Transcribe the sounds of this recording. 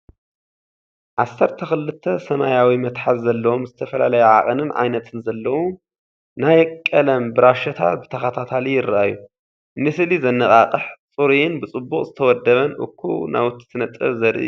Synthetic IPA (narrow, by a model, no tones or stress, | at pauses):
ʕasːɐɾt̪ʰɐxɨlɨt̪ʰːɐsɐmajawimɐt̪ħazzɐlːɐwomzɨt̪ʰɐfɐlalɐjɛʕa̰χʼɨnɨnʕa̰jnɐt̪ʰɨnzɐlːɐwom | najkʼːɐlɐmbɨɾaʃɐt̪ʰa̰t̪bɨt̪ʰɐxat̪ʰat̪ʰalijɪrʔajːu | mɨsɨlizɐnːɐχʼaqʼɨħt͡sʼuɾijɪnbɨt͡sʼɨbːukʼzɨt̪ʰɐwɔd̪ːɐβɐnʔɨ̰kʰːṵna̰wt̪ʰːi̥t̪ʰɨnɐt̪ʼɐ̰βzɐɾʔɨ̰